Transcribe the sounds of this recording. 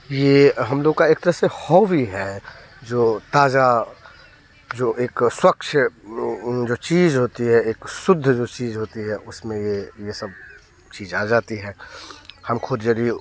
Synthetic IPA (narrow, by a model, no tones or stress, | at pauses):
jeɦɐmloːɡkaeːk̚t̪əɾəɦsehɔːʋiɦɛ | d͡ʒoːt̪aːd͡ʒa | d͡ʒoːʔeːkswɐkʃʰ | d͡ʒoːt͡ʃiːzɦoːt̪iɦɛeːksʊd̪ʱːd͡ʒoːt͡ʃiːzɦoːt̪iɦɛʔʊsmẽjejesɐb | t͡ʃiːzaːd͡ʒaːt̪iɦɛːhɐmkʰʊd̪d͡ʒɐɡi